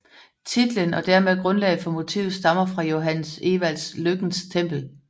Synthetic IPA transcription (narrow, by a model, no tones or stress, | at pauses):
t͡sʰid̥lənɒ̽d̥æɐmeðˠɡ̥ʁɔ̽nlɛ̰ɪð̩ˠfɒ̽mo̝t͡sʰḭːʊð̩ˠsd̥ɑ̈mɐfʁɑ̈jo̝ɦæn̰se̝ːʋæl̰sløɡ̥n̩st͡sʰem̰b̥l̩